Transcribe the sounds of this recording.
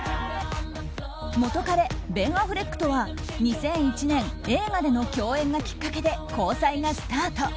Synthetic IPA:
mo̞t̪o̞kaɾe̞bẽ̞ɰ̃aɸɯ̟ɾe̞kːɯ̟̥t̪o̞βa | ɲ̟isẽ̞ɰ̃it͡ɕinẽ̞ŋe̞ːmad̪e̞no̞kʲo̞ːẽ̞ŋɡakʲi̥kːake̞d̪e̞ko̞ːsaiŋasɨ̥t̪aːt̪o̞

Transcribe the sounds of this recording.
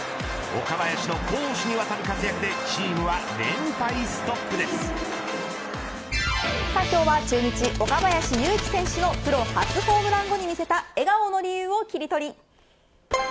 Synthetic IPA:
o̞̰kabajaɕino̞koːɕiɲ̟iβat̪aɾɯ̟kat͡sɨjakɯ̟d̪e̞t͡ɕiːmɯ̟βaɾẽ̞mt̪aisɨ̥t̪o̞pːɯ̟d̪e̞sɨ̥ | saikʲo̞ːβat͡ɕɨːɲ̟it͡ɕiʔo̞kabajaɕijɯːkʲi̥sẽ̞ɰ̃ɕɨno̞pɯ̟ɾo̞hat͡sɨho̞ːbɯ̟ɾãŋɡo̞ɲ̟imʲise̞t̪ae̞ɡaono̞ɾʲijɯːo̞kʲiɾʲit̪o̞ɾʲi

